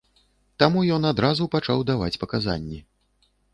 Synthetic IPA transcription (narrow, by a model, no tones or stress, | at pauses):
t̪amujɔnad̪ɾazupat͡ʂawd̪ava̰t͡sʲpɐkaza̰nʲːɛ